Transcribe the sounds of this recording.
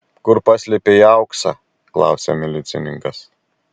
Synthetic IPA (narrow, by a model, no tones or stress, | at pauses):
kʊɾpɑsʲlʲɛpʲejɐʊksɑ | klˠɑ̰ˑʊsʲḛmʲɛlʲɪt̪sʲɪnʲɪŋkɐs